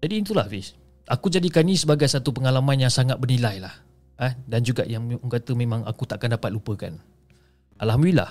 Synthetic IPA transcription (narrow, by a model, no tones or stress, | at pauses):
d͡ʒadiːnt̪̬ulahvis | ʔakud͡ʒadikanĩsəbaɡajsat̪upəŋalamãnjaŋsaŋat̪̚bərnilajlah | ədand͡ʒuɡa̰ʔjaŋkat̪əmẽmãŋa̰kut̪aʔakandapat̪̚lupəka̰n | ʔa̰lhamdəlila̰h